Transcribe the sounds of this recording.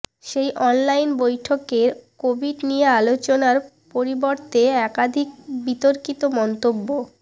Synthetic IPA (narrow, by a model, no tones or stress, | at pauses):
ʃejʔɔnlajnbojʈʰokeɾkobʱiɖnijealot͡ɕonaɾ | poɾiboɾt̪eɛkad̪ʱik̚bit̪oɾkit̪omɔnt̪obːo